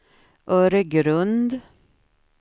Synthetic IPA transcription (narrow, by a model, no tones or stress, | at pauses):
ʔœːɾəɡɾɵnd̪